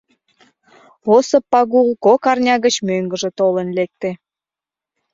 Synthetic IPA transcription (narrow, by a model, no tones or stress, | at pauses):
osəpːɑɣulkokɑrnʲɑɣət͡ɕmøŋɡəʒət̪olənlek̚t̪e